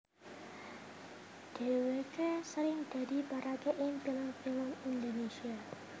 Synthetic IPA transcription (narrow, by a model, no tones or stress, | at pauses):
ɖ̥e̤wekesəɾɪŋd̥a̤dipaɾakeʔɪmpilɔpilɔmind̪onesia